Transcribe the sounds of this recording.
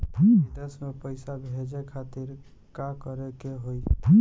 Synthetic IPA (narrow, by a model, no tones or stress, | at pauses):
id̪esmepəɪsabʱed͡ʒekʰat̪iɾ | kakəɾekeɦoj